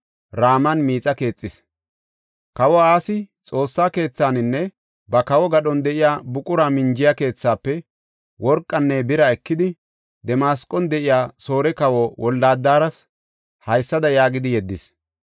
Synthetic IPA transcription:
ɾaːmɐnmiːt͡sʼːɐke̞ːt͡sʼːɪs | kɐwɔaːsɪt͡sʼo̞ːsːaːke̞ːt͡sːaːnɪnːɛ | bɐkɐwɔɡɐɗɔnd̪ɛʔɪjaːbʊkʼʊɾamɪɲd͡ʒɪjake̞ːt͡sːaːpːɛ | wɔɾkʼːɐnːɛbɪɾɐɛkːɪd̪ɪ | d̪ɛmaːskʼɔnd̪ɛʔɪjaːso̞ːɾɛkɐwɔwɔlːaːd̪ːaːɾɐs | hɐjsːɐd̪ɐjaːɡɪd̪ɪjɛd̪ːɪs

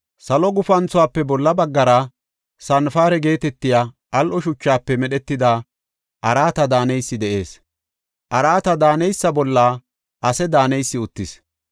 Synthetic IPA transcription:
sɐlɔɡʊfɐnt͡sʊwaːpːɛbɔlːɐbɐɡːɐɾɐ | sɐnfaːɾɛɡe̞ːt̪ɛt̪ːɪjaː | ʔɐlʔɔʃʊt͡ʃːaːpːɛmɛɗɛt̪ːɪd̪a | ʔɐɾaːt̪ɐd̪aːnɛjsːɪd̪ɛʔe̞ːs | ʔɐɾaːt̪ɐd̪aːnɛjsːɐbɔlːaː | ʔɐsɛd̪aːnɛjsːɪʊt̪ːɪs

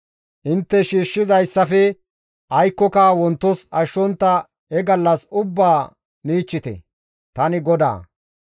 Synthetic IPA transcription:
ʔɪnt̪ːɛʃiːʃːɪzɐjsːɐfɛ | ʔɐjkːɔkaːwɔnt̪ːɔsɐʃːɔnt̪ːɐ | ɛɡɐlːɐsʊbːaː | miːt͡ʃːɪt̪ɛ̰ | t̪ɐnɪɡɔd̪a̰ː

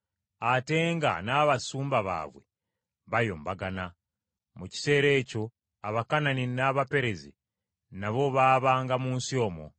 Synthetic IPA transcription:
ate̞ːŋɡa̰naːβasuːmbaβa̰ːβwe̞̰ | βajo̰ːmbaɡana | muci̥se̞ːɾe̞ːco̞ | aβakananinaːβape̞ɾe̞zḭ | naβo̞βaːβaːŋɡamuːnsio̞ːmo̰

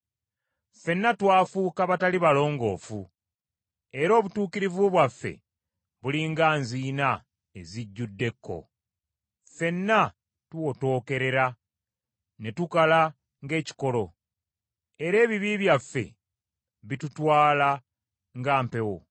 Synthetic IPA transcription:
fe̞nːatwaːfuːkaβataliβalo̞ːŋɡo̞ːfu | e̞ɾo̞ːβutuːkiɾivuβwafːe̞̰ | βuliŋɡaːnziːna | eziɟːudːe̞kʰːo̰ | fe̞nːa | tuwo̞to̞ːke̞ɾe̞ɾa | ne̞tukala | ŋɡe̞ːci̥ko̞lo̞ | e̞ɾe̞ːβiβiβjafːe̞̰ | βitutwaːla | ŋɡaːmpe̞wo

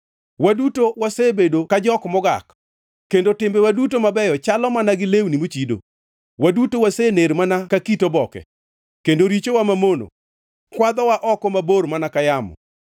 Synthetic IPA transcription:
wadutowasebedokad͡ʒɔkmɔɡa̰k | kːendotɪmbɛwadutomabɛjɔt͡ʃalɔmanaɡɪlewnimot͡ʃido̰ | wadutowaseneɾmanakakitobɔkɛ̰ | kendoɾit͡ʃowamamono̰ | kwad̪ɔwaʔɔkɔmaboɾmanakajamɔ̰

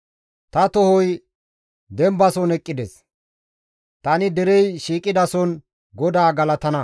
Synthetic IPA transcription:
t̪ɐt̪ɔhɔj | d̪ɛmbɐsɔnɛkʼːɪd̪ɛs | t̪ɐnɪd̪ɛɾɛjʃiːkʼɪd̪ɐsɔn | ɡɔd̪aːɡɐlɐt̪ɐnɐ

